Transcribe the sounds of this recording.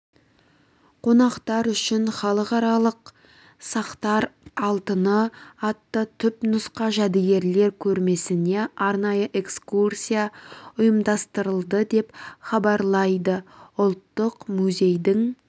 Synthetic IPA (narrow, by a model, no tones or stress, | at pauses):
qʰo̞nɑqt̪ɑɾʏʃɪnχɑlˠəqɑɾɑlˠəq | sɑqt̪ɑɾɑlˠt̪ənəɑt̪ːət̪ʰʏpnʊsqɑʒæd̪ɪɡʲe̞ɾle̞ɾkʲʰɵɾme̞sɪne̞ɑɾnɑjəʔe̞kskursʲijaʊjəmd̪ɑst̪əɾəlˠd̪əd̪e̞pχɑbɑɾlˠɑjd̪əʊlˠt̪ːəqmuzʲe̞jd̪ɪŋ